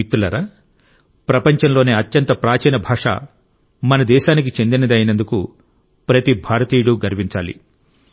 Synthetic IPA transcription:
it̪ːulɐɾa | pɾɐpɐɲt͡ʃɐnlo̞ːneːɐt̪jɐnt̪ɐpɾaːt͡ʃɛːnɐbʱaːʂa̰ | mɐnɐd̪ɛːʃaːnik̬it͡ʃe̞nd̪inɐd̪ɐjnɐnd̪uku | pɾɐt̪ibʱaːɾɐt̪iːɽuɡɐɾʋiɲt͡ʃaːlḭ

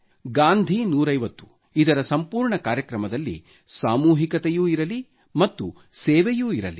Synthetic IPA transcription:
ɡaːnd̪ʱinuːɾɐjʋɐt̪ːu̥ | id̪ɐɾɐsɐmpuːɾɳɐkaːɾjɐkɾɐmɐd̪ɐlːḭ | saːmuːɦikɐt̪ejuːiɾɐli | mɐt̪ːu | sɛːʋejuːiɾɐ̰li

